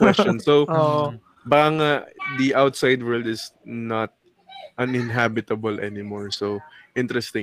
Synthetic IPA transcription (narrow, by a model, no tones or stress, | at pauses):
kwɛst͡ʃt͡ʃɔnsoo | bɐkaŋad̪iʔawt̪sajd̪wɛɹld̪ɪsnat̪̚ | ʔɐnɪ̃nɦabɪt̪ɐbɐlʔɛ̰nɪmɔɹsowʔɪ̃nt̪ɾɛst̪ɪ̃